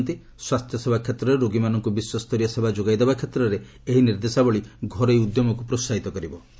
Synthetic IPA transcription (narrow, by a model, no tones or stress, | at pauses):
nt̪i | swast̪ʰjɔsebʱakʰet̪ɾɔɾeɾoɡimanɔŋkubiswɔst̪ʰɔɾjɔsebʱad͡ʒoɡajd̪ebakʰet̪ɾɔɾe | eɦiniɾd̪esabɔɭiɡʱɔɾɔjud̪jɔmɔkupɾosaɦit̪ɔkɔɾibɔ